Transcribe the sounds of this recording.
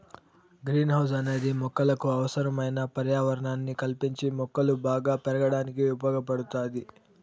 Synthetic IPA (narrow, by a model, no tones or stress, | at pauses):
ɡɾiːnɦɐws̬ɐne̞ːd̪imɔkːɐlɐkuɐʋɐsɐɾɐmɐjnɐpɐɾjaːʋɐɾɐɳaːnːikɐlpiɲt͡ʃimɔkːɐlubaːɡaːpɛɾɐɡɐɽaːnikiubɐːɡɐpɐɽut̪aːd̪i